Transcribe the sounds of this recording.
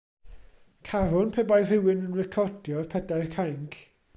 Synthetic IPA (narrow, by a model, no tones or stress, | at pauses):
kʰaɾʊnpʰɛbajð̥ɪwɪnənɹɪkʰɔd̥jɔrpʰɛdajrkʰajŋkʰ